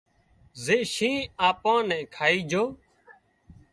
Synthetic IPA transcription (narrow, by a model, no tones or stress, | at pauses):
zeːʃĩːaːpãːnɛ̃ːkʰaːiːd͡ʒʱoː